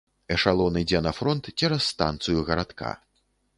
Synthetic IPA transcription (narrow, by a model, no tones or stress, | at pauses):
ɛʂalˠɔwnɨjd͡zʲɛnɐfɾɔnt̪t͡sʲɛɾɐsːt̪a̰nt̪sɨjuɣɐɾat̪kʰa̰